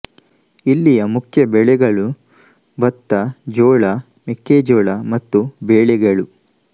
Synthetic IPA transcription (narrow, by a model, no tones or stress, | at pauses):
ilːijɐmukʰjɐbɛɭɛɡɐɭu | bɐt̪ːɐd͡ʒɔːɭɐ | mekːeːd͡ʒɔːɭɐmɐt̪ːubeːɭɛɡɐɭu